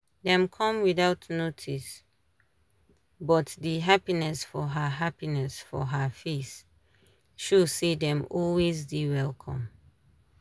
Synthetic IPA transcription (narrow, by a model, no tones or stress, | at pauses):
dɛ̃mkʰɔ̃mwiðaʊtnotʰis | bɔtdiɦapinɛsfɔɦəɦapinɛsfɔ̰ɦəfes | ʃusidɛ̃mɔlwezdiwɛlkʰɔ̰̃m